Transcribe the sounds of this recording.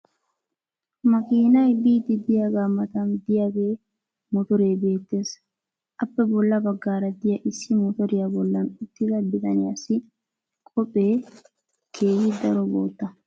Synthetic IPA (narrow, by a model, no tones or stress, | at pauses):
mɐkʼiːnɐjbiːt̪ɪd̪ɪjɐɡamɐt̪ɐnd̪ɪjɐɡeː | mɔt̪ɔɾe̞ːbe̞ːt̪ːe̞ːs | ʔɐpːɛbɔlːɐbɐɡːaːɾɐd̪ɪjɐʔɪsːɪmɔt̪ɔɾɪjɐbɔlːɐnʊt̪ːɪɡɐbɪt̪ɐnɪjɐsɪ | kʼɔpʼːe̞ː | kʰeːjɪd̪ɐɾɔbo̰ːt̪ːɐ